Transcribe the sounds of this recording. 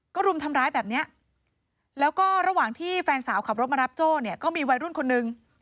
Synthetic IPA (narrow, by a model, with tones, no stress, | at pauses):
kɔː˥˩ɾu˧mt̪ʰa˧mɾaː˦˥jbɛː˨˩p̚ni˦˥ɐʔ | lɛː˦˥wkɔː˥˩ɾa˧waː˨˩ŋt̪ʰiː˥˩fɛː˧nsaː˩˦wkʰa˨˩p̚ɾo˦˥t̪̚ma˧ɾa˦˥p̚t͡ɕoː˥˩ni˥˩ɐkɔː˥˩miː˧wa˧jɾu˥˩nkʰo˧nːɯ˧ŋ